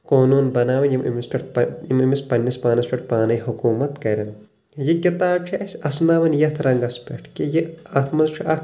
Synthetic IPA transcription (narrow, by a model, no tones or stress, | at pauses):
koːnuːnbɐnaːʋɐnjimʔḭmispʲeʈ̚pimimispɐnʲːispaːnɐspʲeʈ̚paːnɐjhukuːmɐt̪kɐɾɐn | jikʲit̪aːbt͡ʃʰɐɐsʲɐsnaːʋɐnjɐt̪ʰɾɐŋɡɐspʲeʈʰkijeɐt̪ʰmɐzt͡ʃʰuʔɐk